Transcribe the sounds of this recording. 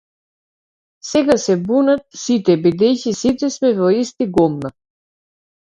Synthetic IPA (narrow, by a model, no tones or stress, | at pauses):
sɛɡasɛbunat̪̚sit̪ɛbid̪ɛjcisit̪ɛsmɛvɔist̪iɡɔmna